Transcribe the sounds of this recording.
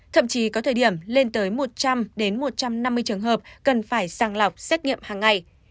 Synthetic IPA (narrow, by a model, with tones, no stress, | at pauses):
t̪ʰə̰˧˨mt͡ɕi˨˦kɔ˨˦t̪ʰəː˨˩jɗi˧˩əmle˧nt̪əː˨˦jmo˨˩t̚t͡ɕa˧mɗe˨˦nmo˨˩t̚t͡ɕa˧mna˧mːɨ˧əjt͡ɕɨ˨˩əŋɦəː˨˩p̚kə˨˩nfaː˧˩jsaː˨˩ŋla˨˩wk͡p̚sɛ˦˥t̚ŋḭ˧˨əmhaː˨˩ŋːa˨˩j